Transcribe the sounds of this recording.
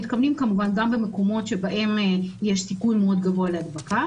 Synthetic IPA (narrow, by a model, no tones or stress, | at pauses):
it̪̚kavnimkamuvanɡambe̞me̞ko̞mo̞t̪ʃe̞baʔe̞mjeʃsikunmeo̞d̪ɡavoalead̪baka